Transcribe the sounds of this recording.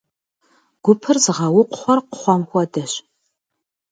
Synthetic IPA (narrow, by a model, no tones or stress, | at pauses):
ɡ̥ʷʊpʰɨrzɨʁɐwʊqʷʊ̥χʷɔrqʊ̥χʷɔmxʷɔdɐɕ